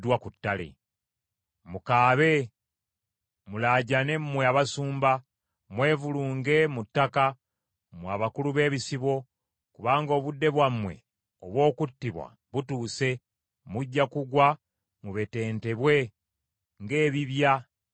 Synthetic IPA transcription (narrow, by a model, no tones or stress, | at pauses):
dwakutːalḛ | mukaːβe̞ | mulaːɟane̞mːwe̞aβasuːmba | mwe̞ːvuluːŋɡe̞mutːaka | mwaːβakuluβe̞ːβisiβo̞ | kuβaːŋɡo̞ːβudːe̞βwamwe̞̰ | oβwo̞ːkutːiβwa̰ | βutuːse̞ | muɟːakuɡwa | muβe̞te̞ːnte̞βwe̞ | ŋɡe̞ːβiβja